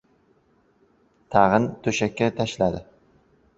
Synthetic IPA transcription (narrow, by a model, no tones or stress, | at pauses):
t̪ʰɑʁɨnt̪ʰɵʃakʲːat̪ʰaʃlad̪ɪ